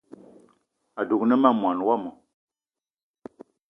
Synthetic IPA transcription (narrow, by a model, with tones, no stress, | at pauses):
a˨du˨k̚nə˦ma˦mwa˨nwa˦mɔ˨